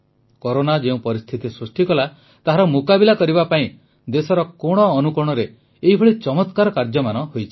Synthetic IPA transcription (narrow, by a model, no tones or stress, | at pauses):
koɾonad͡ʒeũpɔɾist̪ʰit̪isɾusʈikɔla | t̪aɦaɾɔmukabilakɔɾibapaĩ | d̪esɔɾɔkoɽ̃ɔːnukuɾɔɽ̃ɔɾe | eɦibʱɔɭit͡ʃɔmɔt̪kaɾɔkaɾd͡ʒɔmanɔɦojt͡ʃʰi̥